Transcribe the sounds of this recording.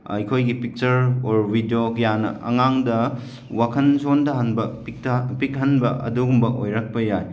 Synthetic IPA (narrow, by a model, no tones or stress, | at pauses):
ɐ̰jkʰojɡipik̚t͡ʃɐɾoɾbidiokɐjanɐ̰ʔɐ̰ŋaŋdɐ | wakʰɐnsondɐɦɐnbɐpik̚tpik̚ɦɐnbɐʔɐ̰duɡumbɐʔojɾak̚pɐjaj